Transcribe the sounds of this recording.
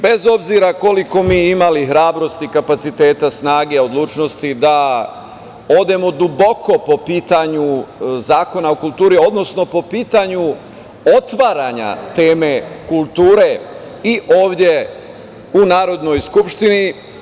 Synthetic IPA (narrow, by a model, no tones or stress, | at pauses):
be̞zo̞bziɾako̞liko̞miːimalixɾaːbɾo̞st̪ikapat̪sit̪e̞ːt̪asnaːɡe̞o̞d̪lˠuːt͡ʃno̞st̪id̪a | o̞d̪e̞mo̞d̪ubo̞ko̞po̞piːt̪aɲuzaːko̞naokult̪uːɾio̞d̪no̞sno̞po̞piːt̪aɲu | o̞t̪ʋaɾaɲa̰t̪e̞ːme̞kulˠt̪uːɾe̞ | iʔo̞ːʋd̪ʲje | unaːɾo̞d̪no̞jskupʃt̪ini